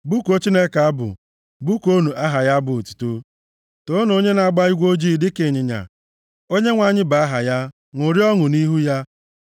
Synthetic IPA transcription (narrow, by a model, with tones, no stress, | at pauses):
bu˦ko˦t͡ʃi˦ne˦ka˨a˦bʊ̰˨ | bu˦ko˦nu˨ʔa˦ɦa˨ja˦bʊ˨tu̥˨tu˦ | to˦no˦ɲe˦na˨a˨ɡ͡ba˦i˦ɡʷo˦d͡ʒi˦˨dɪ˦ke˨ɲɪ˨ɲa̰˨ | o˦ɲe˦ŋʷa˨ɲɪ˦ba˨a˦ɦa˨ja˦ | ŋʷo˨ɾi˦ɔ˦ŋʊ˨ni˦ɦu˦ja˦